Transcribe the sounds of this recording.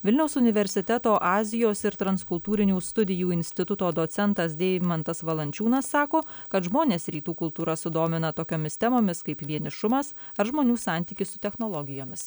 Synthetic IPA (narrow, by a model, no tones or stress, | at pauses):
ʋʲɪlʲnʲɛʊsʊnʲɪʋʲɛɾʲsʲɪt̪ʲɛt̪oːʔɑːzʲɪjoːsɪɾt̪ɾɐnskʊlˠt̪uːɾʲɪnʲuːst̪ʊd̪ʲɪjuːɪnʲsʲt̪ʲɪt̪ʊt̪oːd̪oːsʲɛnt̪ɐsd̪ʲeːʋʲɪmɐnt̪ɐsʋɐlˠɐnʲt͡ʃʲuːnɐsːɑːkoːkɐt̪ʒmoːnʲeːsɾʲiːt̪uːkʊlˠt̪uːɾɐsʊd̪oːmʲɪnɐt̪oːkʲoːmʲɪst̪ʲɛmoːmʲɪskɐɪpʋʲiɛnʲɪʃʊmɐs | ɐɾʒmoːnʲuːsɑˑnʲt̪ʲiːkʲɪssʊt̪ʲɛxnoːlˠɔɡʲɪjoːmʲɪs